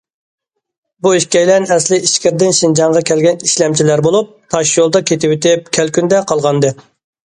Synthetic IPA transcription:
buiʃkʲɛjlɛnɛslɪiʃkʲɪɾd̪ɪnʃind͡ʒɑŋʁɑkʲʰɛlɡʲɛniʃlɛmt͡ʃʰilæɾbolˠup̚t̪ʰɑʃjolˠd̪ɑkʲʰet̪ʰɪwyt̪ʰɪp̚kʲʰælkʲynd̪ɛqʰɑlˠʁɑnd̪ɨ

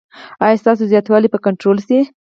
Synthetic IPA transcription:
ɑjɑst̪ɑs̬ozjɑt̪wɑlipəkaɳʈɾolsi

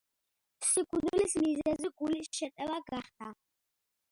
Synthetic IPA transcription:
sikʰʼud̪lismizɛziɡulisʃɛt̪ʼɛlaɡaχd̪ʰa

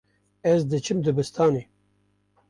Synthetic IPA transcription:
ɛzd̪ɨt͡ʃʰɨmd̪ɨbɨst̪ʰɑːne

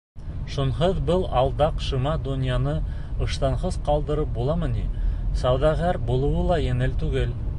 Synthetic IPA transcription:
ʃunɦɤðbɤlˠɑlˠd̪ɑqʃɤ̆mɑd̪unʲjɑnɤ | ɤ̆ʃt̪ɑɴʁɤzqɑlˠd̪ɤ̆ɾɤp̚bulˠɑmɤ̆nisɑwðɑʁæɾbulˠɤ̆wɤlˠɑjɘ̆ŋɘlt̪ʉɡɘl

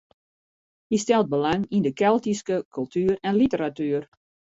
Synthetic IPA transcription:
histɛlˠt̚bəlaŋindəkɛlˠtiskəkʰylˠtʰyːəɾɛnlitəɾatyər

